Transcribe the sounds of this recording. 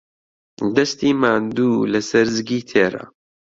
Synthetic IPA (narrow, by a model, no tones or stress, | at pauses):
d̪ɐst̪iːmaːnd̪uːlɐsɐɾzɨɡiːt̪ʰeːɾa̰